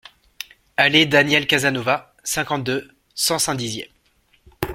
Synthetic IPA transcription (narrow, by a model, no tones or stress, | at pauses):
aled̪anjɛlkazanova | sɛ̃kɑ̃t̪̚d̪ø | sɑ̃sɛ̃d̪izjɛ̰